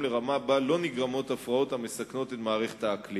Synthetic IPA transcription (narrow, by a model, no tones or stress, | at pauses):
le̞ʁamabalo̞niɡʁamo̞t̪afʁao̞thame̞sakno̞t̪e̞tmaːʁeχet̪aːkli